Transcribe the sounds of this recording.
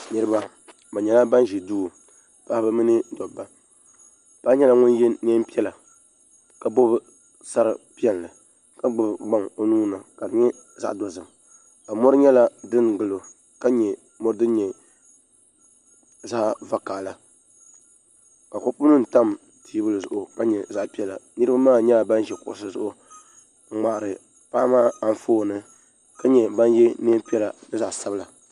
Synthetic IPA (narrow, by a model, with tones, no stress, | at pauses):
nɨ˦ɾɨ˦ba˦ | ba˨ɲɛ˨la˦ba˦n˦ʒɛ˨du˦˨ | pa˦hbɨ˦mɨ˦nɨ˦dɔ˨bːa˦ | pa˦ɲɛ˦la˦ŋʊ˦n˦jɛ˦ɲɛ˦m˦pi˦ɛ˦la˨ | ka˨bo˦bɨ˦ | sa˦ɾɨ˨pi˦ɛ˦n˨lɨ˨ | ka˦ɡ͡bʊ˦bɡ͡ba˦ŋo˨˦nuː˦na˨ka˨dɨ˨ɲɛ˦ | za̰˦˨ʔdɔ˨zɨ˨m | ka˨mɔ˦ɾɨ˦ɲɛ˦la˦dɨ˦ŋɡɨ˨lo˨ | ka˦ɲɛ˨ | mo˦ɾɨ˦dɨ˦ɲɛ˨ | za˦ʔva˨˦kaː˨la˨ | ka˨ko˦pu˦nɨ˦n̩˨ta˦m | tʰiː˨˦bɨ˦lɨ˨zʊ˨ʔʊ˨ka˦ɲɛ˨za˦ʔpi˦ɛ˦la̰˨nɨ˦ɾɨ˦ba˦maː˦˨ɲɛ˦˨ba˦n˦ʒɛ˨kʊ̰˨ʔsɨ˦zʊ˦ʔʊ˨˦ | ŋ͡ma˨ʔɾɨ˨ | paː˦maː˦a˨n˨foː˦˨nɨ˦ | ka˦ɲɛ˨ba˦n˦jɛ˦ne˦pi˦ɛ˦la˨dɨ˦za˨ʔsa˦bla˨